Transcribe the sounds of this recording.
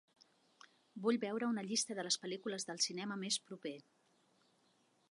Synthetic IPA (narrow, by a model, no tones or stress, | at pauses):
buʎbɛwɾəunəʎist̪əðələspəlikuləzðəlˠsinɛməmespɾupe